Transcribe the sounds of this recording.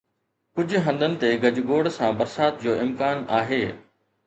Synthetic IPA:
kʊd͡ʑʱʊ̆ɦɐ̃nd̪ənɪ̆t̪eɡɐd͡ʑɡoːɽsãːbɐɾsaːt̪d͡ʑoːɪmkaːnaːɦeː

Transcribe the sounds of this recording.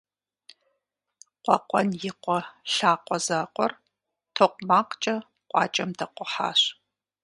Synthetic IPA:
qʷɔqʷʼɔnjɪqʷɔɬaːqʷɔzaqʷʼɔr | tʰoːqʷmaːqt͡ʃʼɐ | qʷʼɑ̰ːt͡ʃʼɐmdɐqʷʊħa̰ːɕ

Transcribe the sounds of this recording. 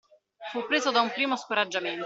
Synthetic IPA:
fupːɾeːzod̪aumpɾiːmoskoɾad͡ʒːament̪

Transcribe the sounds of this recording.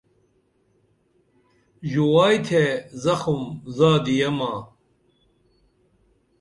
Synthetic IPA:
ʑuwaːjt̪ʰezɐxumzaːd̪ijɐmaː

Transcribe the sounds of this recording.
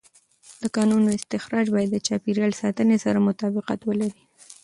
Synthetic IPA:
d̪̥əkɑnunoɪst̪ɪxɾɑd͡ʒbɑjad̪ːət͡ʃɑpiɾjɑlsɑt̪ənesaɾamʊt̪ɑbɪqa̰t̪wəlaɾi

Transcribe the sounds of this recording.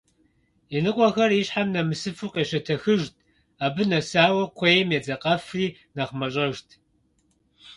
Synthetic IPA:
inɨqʷʼɔxɐriɕħamnɐmɨsɨfuːqʼeːʃɐtʰɐxɨʒtʰʼ | aːbɨnɐsaːwɐqʷʰeːjmjɛd͡zɐqʼɐfriː | nɐχmɐɕʼɐʒtʰ

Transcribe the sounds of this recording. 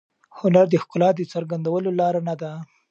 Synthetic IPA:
hʊnaɾd̪əxkʊlɑd̪ət͡saɾɡand̪awəlolɑɾanad̪a

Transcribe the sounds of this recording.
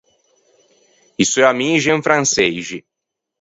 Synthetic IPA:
isoamiʒɛ̃fɾãnsejʒi

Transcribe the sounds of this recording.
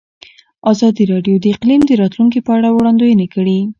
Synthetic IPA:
ɑzɑd̪iɾɑɖjod̪əɪqlimd̪əɾɑt̪luŋk̬ipəaɽawɽɑnd̪ojənekəɽi

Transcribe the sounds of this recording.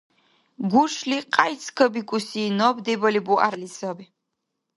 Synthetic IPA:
ɡʷuʂliqʼajt͡sʰkʰɐbikʷʼusinɔbd̪ebɐlibuʔa̰rlisɔbi

